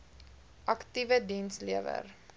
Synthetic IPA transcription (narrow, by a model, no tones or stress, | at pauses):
ʔɐktivədinsliəvə̰r